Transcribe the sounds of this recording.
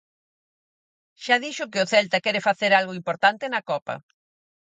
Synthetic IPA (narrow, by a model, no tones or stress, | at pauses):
ʃaðiʃʊkɪʊθɛlt̪ɐkɛɾɪfaθeɾalɣʊimpoɾt̪ant̪ɪnɐkɔpɐ̰